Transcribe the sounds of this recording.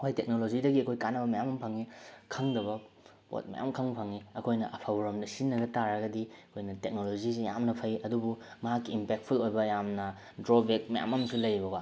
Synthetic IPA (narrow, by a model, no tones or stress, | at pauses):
wajtek̚nolod͡ʒidɐɡiɐkʰojkanːɐbɐmɐjamɐmpʰaŋikʰaŋdɐβɐ | po̰t̚mɐ̰ja̰mkʰaŋpʰaŋiɐkʰojnɐʔɐpʰabɾomdɐsinːɐɡɐtaɾɐɡɐdiɐkʰojnɐtek̚nolozisijamnɐpʰɐjɐdubumɐɦakːiːmpek̚t̚pʰulojbɐjamnɐ | dɾobek̚mɐja̰mɐmsilɐjbɐɡwa